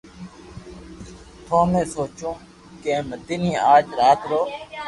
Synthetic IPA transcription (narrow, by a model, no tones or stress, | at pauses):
t̪ʰoːmẽːsoːt͡ʃõː | kẽːmət̪iːnĩːaːd͡ʒɾaːt̪ɾoː